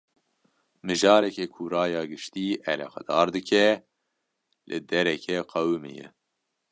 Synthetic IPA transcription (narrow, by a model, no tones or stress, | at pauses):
mɨʒɑːɾɛkɛkʰuɾɑːjɑːɡɨʃt̪iːʔɛlɑ̰qɑ̰d̪̥ɑːɾd̪ɨkʰɛ | lʔɨd̪ɛɾɛkʰɛqʰɛwmɨ̰jɛ̰